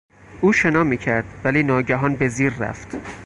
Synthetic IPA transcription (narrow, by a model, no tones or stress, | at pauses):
ʔuːʃe̞nɒːmiːcʰæɾd̪̥væliːnɒːɟæɦɒːnbe̞ziːɾːæ̰ft̪